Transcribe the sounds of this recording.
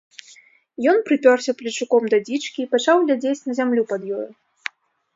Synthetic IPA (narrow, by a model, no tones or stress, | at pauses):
jɔnpɾɨpʲɔrsʲɐplʲit͡ʂukɔmd̪ɐd͡zʲit͡ʂkʲiːpat͡ʂawɣlʲad͡zʲet͡sʲnɐzʲamlʲupɐd̪jɔju